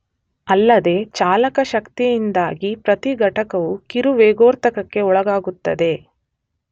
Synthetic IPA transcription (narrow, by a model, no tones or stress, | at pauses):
ɐlːɐd̪e̞ːt͡ʃaːlɐkɐʃɐkt̪ijind̪aːɡipɾɐt̪iɡʱɐʈɐkɐʋukiɾuʋeːɡoːɾt̪ɐkɐkːe̞ɔɭɐɡaːɡut̪ːɐd̪e̞